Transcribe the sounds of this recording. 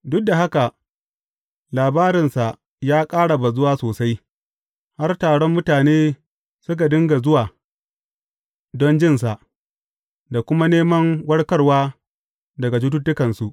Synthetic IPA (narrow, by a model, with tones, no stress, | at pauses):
dʊ˦k̚da˨ɦa˦ka˨ | laː˨baː˦ɾɪ˨nsa˨ʔ | jaː˦kʼaː˦ɽa˨ba˨zʊ˦waː˦soː˨sa˦j | ha˦rtaː˨ɽɔ˦mːʊ˦taː˨neː˦ | sʊ˦k̬a˨dɪ˦ŋɡa˨zʊ˦waː˨ | dɔ˦nd͡ʒɪ˦˨ns̬a˨ʔ | da˨kʷʊ˦ma˦neː˦mɐ˦ŋwɐ˦ɽkɐ˦rwaː˦ | dɐ˨ɡa˨t̬ʊ˦t̬u˦tːʊ˦kɐ˨nsu˨ʔ